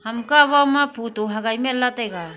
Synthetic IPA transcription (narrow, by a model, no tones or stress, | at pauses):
hamkaβamapʰutoɦaɡajmelːatajɡa